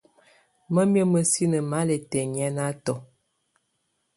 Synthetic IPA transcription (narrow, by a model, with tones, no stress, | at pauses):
mə˦mjə˦mə˨si˦nə˨ma˨˦le˨tɛ˨ɲɛ˦na˦tɔ˨